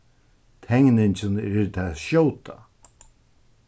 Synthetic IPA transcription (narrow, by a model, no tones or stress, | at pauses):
t̪ʰɛŋnɪɲt͡ʃɪnɪɾt̪ʰaʃowt̪a